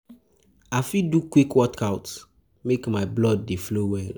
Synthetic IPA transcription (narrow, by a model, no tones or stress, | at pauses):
afidukwikwɔtkʰaʊt | mekmaɪblɔd̚ːeflowɛl